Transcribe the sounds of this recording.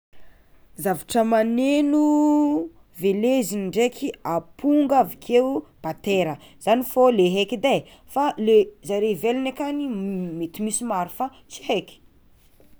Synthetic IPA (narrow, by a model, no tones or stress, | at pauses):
zaviʈ͡ʂəmanenu | veleziniɳɖ͡ʐekʰiapʰuŋɡavikʰeub̥at̪eɾə | z̥anifoleɦekid̪a | falezaɾevelinekanimet̪imisimaɾifa | t͡si̥ɦekʲi̥